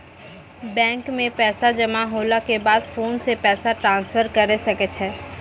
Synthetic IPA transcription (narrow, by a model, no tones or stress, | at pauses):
bɛ̃ːŋkmẽpɛːsad͡ʒɐmaɦoːlakebaːd̪foːnsepɛːsaʈɾãːnsfəɾkɐɾesɐkət͡ʃʰɛː